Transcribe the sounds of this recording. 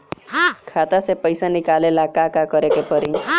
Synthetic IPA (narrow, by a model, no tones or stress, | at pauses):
kʰat̪asepəjsanikalelakakakəɾekepəɾi